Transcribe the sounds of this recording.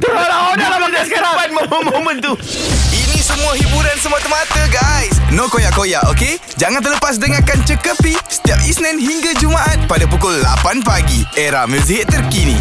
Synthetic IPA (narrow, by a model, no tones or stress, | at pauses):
t̪əlaodalamadasaɾabat̪̚məmomomə̃nt̪u | inĩsəmũaɦibuɾansəmuat̪əmat̪əɡajsnõkojaʔkojaʔoke | d͡ʒaŋant̪ərləpas̬dəŋakant͡ʃəkəpisə̥t̪iap̚isnɛ̃nɦiŋɡad͡ʒumaʔat̪̚padapukʊlːa̰panpaɡieɾa̰hmus̬iɦɪtt̪ːərkinḭ̃